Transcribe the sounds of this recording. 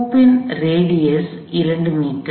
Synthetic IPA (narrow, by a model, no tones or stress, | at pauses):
pːɪnɾeːɽɪjɐs | ɪɾɐɳɖɯmiːʈː